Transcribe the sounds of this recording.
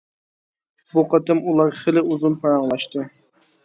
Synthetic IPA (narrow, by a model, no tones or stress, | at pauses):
buqʰɑt̪ɨmulˠɑɾχɪlɪuzunpʰɑɾɑɴlˠɑʃt̪ɨ